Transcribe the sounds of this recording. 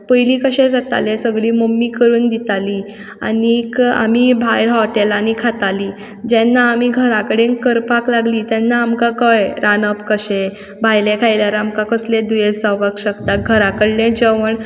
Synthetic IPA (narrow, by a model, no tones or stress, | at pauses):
pəjliːkəɕed͡zat̪a̰lesəɡɭiːmomːikəɾuːnd̪it̪aliː | a̰nika̰mibʱajɾɦɔʈelanikʰat̪aliː | d͡ʑɛnːaːmiːɡʱəɾakəɽẽnkəɾpaklaɡliːt̪jɛnːaːmkakəjɾanəpkəɕe | bʱajlẽkʰajljaɾamkakəsled̪ujesaʋəkɕəkt̪aɡʱəɾakəɽlẽd͡ʑəʋəɳ